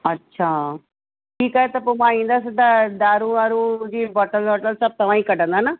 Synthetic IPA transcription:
ɐtːɕʰaː | ʈʰiːkaːɦet̪ɐpomãaĩːnd̪aːsd̪ad̪aːɾuʋaːɾud͡ʑiːbɔʈəlbɔʈəlsɐb̚t̪ɐʋãːĩkɐɖə̃nd̪ana

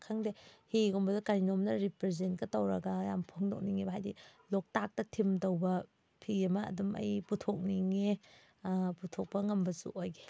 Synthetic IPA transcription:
kʰaŋdehiɡombɐzukaɾinomnɐɾipɾezentkɐtɐwɾɐ̰ɡɐja̰mpʰoŋdo̰k̚niŋebɦajdḭlok̚tak̚tɐtʰimdɐwbɐ | pʰiemɐ̰ːdumɐ̰jputʰok̚niŋe | putʰok̚pɐŋɐmbɐsṵʔojɡe

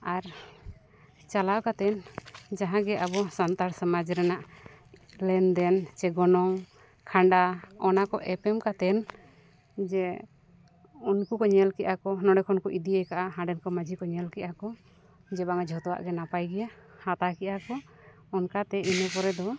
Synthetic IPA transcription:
aɾ | t͡ʃalawkat̪ɛnd͡ʒaɦãɡɛʔabɔsant̪aɾsamad͡ʒɾɛnaʔ | lɛnd̪ɛnt͡ʃɛɡɔnɔŋ | kʰaɳɖaɔnakɔʔɛpɛmkat̪ɛn | d͡ʒɛ | unkukɔɲɛlkɛʔakɔnɔɽɛkʰɔnkɔʔid̪iɛjkaʔaɦãɖɛnkɔmad͡ʒʱikɔɲɛlkɛʔakɔ | d͡ʒɛbaŋad͡ʒʱɔt̪ɔwa̰ʔɡɛnapajɡɛjahat̪akiʔakɔ | ɔnkat̪ɛinɔpɔɾɛd̪ɔ

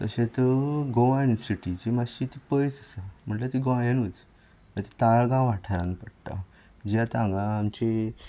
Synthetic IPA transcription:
k̪ə̰ɕẽt̪əɡoʋãnisiʈit͡ɕemaɕit̪ipəjt͡səsam̤əɳʈlat̪iɡoãjanut͡s | ət̪it̪aɭɡãʋaʈʰaɾãnpəɽt̪a̰ | d͡ʑjat̪ãŋɡãːmt͡ɕe

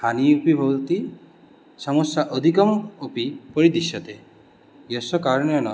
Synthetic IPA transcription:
aniupibʱɔwt̪i | sɔmɔsaʔɔd̪ʱikɔmopipɔɾid̪isjɔt̪e | jɔsɔkaɾnɔnɔ

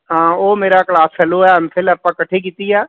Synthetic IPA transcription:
ɦãːoːmeːɾaklaːspʰɛloɛəmfɪləpːə̃kɐʈʰːek̬iːt̪iɛː

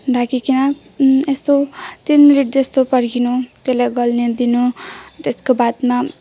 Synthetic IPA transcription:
ɖʱakikina | est̪ot̪inmiliʈ̚d͡zʌst̪opʌɾkinut̪elajɡʌlned̪inut̪eskobat̪ma

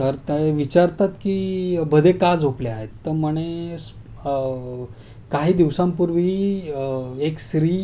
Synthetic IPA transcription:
təɾt̪eʋit͡ɕaɾt̪at̪kiːbʱəd̪ʱekad͡zɦopleaɦet̪ːəməɽ̃es | kaɦiːd̪iʋsãmpuɾʋiː | eksɾiː

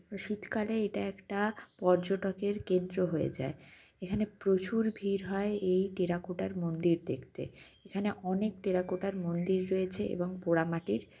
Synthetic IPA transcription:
ʃit̪kaleeʈaɛkʈapɔɾd͡ʑoʈokeɾkend̪ɾoɦoḛd͡ʑa̰e | ekʰanepɾot͡ɕuɾbʱiɾɦɔeejʈeɾakoʈaɾmond̪iɾd̪ekʰt̪ḛ | ekʰaneʔɔnek̚ʈeɾakoʈaɾmond̪iɾːoet͡ɕʰeʔḛboŋpoɽamaʈiɾ

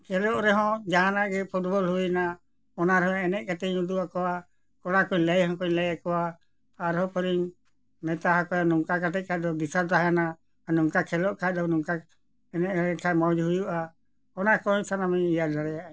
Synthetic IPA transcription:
kʰɛlɔʔɾɛɦɔ̃d͡ʒaɦanaʔɡɛpʰuʈbɔlɦuina | ɔnaɾɛɦɔ̃ɛnɛc̚ˀkat̪ɛɲud̪uakɔwa | kɔɽakɔɲləjɦɔ̃kɔɲləjakɔwaː | ɾɦɔpəɾiɲ | mɛt̪aɦakɔjanɔŋkakat̪ɛc̚ˀkʰad̪ɔbisaɾt̪aɦajanaː | nɔŋkakʰɛlɔʔkʰad̪ɔnuŋka | ɛnɛʔɛkʰamad͡ʒɦujuʔa | ɔnakɔsanamɛijadaɽɛjaʔ

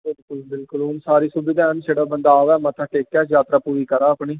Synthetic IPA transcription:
bɪlkʊlbɪlkʊlʊnsaːɾiːsʊbɪd̪aːnseːɽəbənd̪aːʋɛːmət̪ʰaːʈeːkːɛːd͡ʒjaːt̪ɾaːpuːɾiːkəɾaːəpɳiː

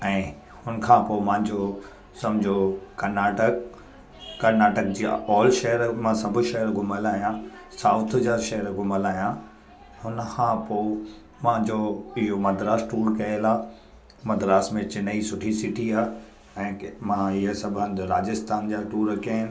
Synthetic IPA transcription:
ɛ̃ː | hʊnkʰãːpoːmãːɪ̃ɲd͡ʑo | sɐmd͡ʑʱokɐɾnaːʈəkː | ɐɾnaːʈək̚d͡ʑiːɔːlʃɐɦəɾmãsɐbʱʊ̆ʃɐɦəɾɡʱʊməlaːɦijã | saːʊt̪ʰd͡ʑaʃɐɦəɾɡʱʊməlaːijã | hʊnəkʰãːpoː | mãd͡ʑoɪɦomɐd̪ʱɾaːsʈuːɾkɐelaː | mɐd̪ɾaːsmẽt͡ɕɪnəisʊʈʰisɪʈʰiaː | ɛ̃ːmãɪɦəsɐbʱə̃nd̪ɾaːd͡ʑəst̪ʰaːnd͡ʑaːʈuːɾkɐɦɪnɪ

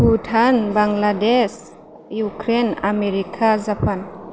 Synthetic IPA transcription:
putʰanbaŋlades | jukɾena̰meɾikʰazapʰan

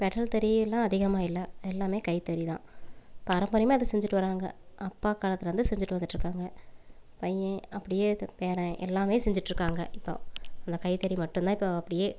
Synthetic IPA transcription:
pɛɽɐɭt̪ɛɾiɛlːãːɐðɪɣɐmaːɪlːɐɛlːaːmeːkɐɪt̪ɛɾit̪ã̰ːpɐɾɐmbɐɾɪmaːɪðɯsɛɲd͡ʒɪʈːɯʋɐɾaːŋɡɐ̰ɐpːaːkaːlɐt̪ːɪlɐɾɐnd̪ɯsɛɲd͡ʒɪʈːɯʋɐnd̪ɯʈːɾɯkːaːŋɡɐpɐjɛ̃ɐpːɐɽɪjeːpeːɾɛ̃ʔɛlːaːmeːsɛɲd͡ʒɪʈːɾɯkːaːŋɡɐʔɪpːo̰ɐnd̪ɐkɐɪt̪ɛɾimɐʈːɯ̃nt̪ãːɪpːoɐpːɐɽɪjeː

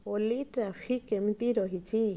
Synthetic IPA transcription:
oliʈɾapʰikːemt̪iɾɔɦit͡ʃʰi

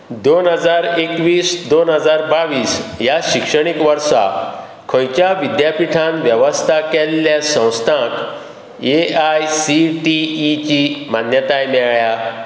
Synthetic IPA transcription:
d̪onɦəd͡zaɾekʋiːsd̪onɦəd͡zaɾbaʋiːsjaɕikʂəɽ̃ikʋəɾsa̰ | kʰɔ̃jt͡ɕjaʋid̪japiʈʰãnʋjəʋəst̪ʰakɛlːjasə̃w̃st̪ʰãk | eajsiʈiːt͡ɕimanjət̪ajmɛɭja

